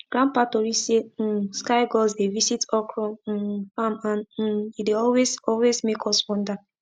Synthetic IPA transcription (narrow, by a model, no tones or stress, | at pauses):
ɡ̥ɹãnpatoɹiseskaɪɡɔzdevisitɔkʰɹɔ̃famãn̩ideɔlwezɔlwezmekʰɔswɔ̃nda